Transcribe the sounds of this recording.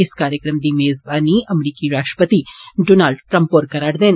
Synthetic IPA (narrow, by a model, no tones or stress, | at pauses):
ɪskaːɾjəkɾəmd̪imeːzbaːniɐmɾiːkiɾaːʃʈə̥pət̪iɖoːnaːlɖʈɾɐ̃mpoɾkɐɾaːɽd̪eːn